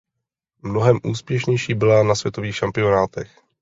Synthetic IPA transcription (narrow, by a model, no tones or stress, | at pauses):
mno̞ɦɛmʔuːspjɛʃɲɛjʃiːbɪlanasvjɛt̪o̞viːxʃampɪo̞naːt̪ɛx